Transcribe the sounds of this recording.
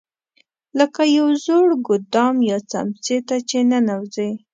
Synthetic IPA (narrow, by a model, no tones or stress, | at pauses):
ləkajawzoɽɡʊd̪ɑmjɑt͡sa̰mt͡set̪at͡ʃenanawzəj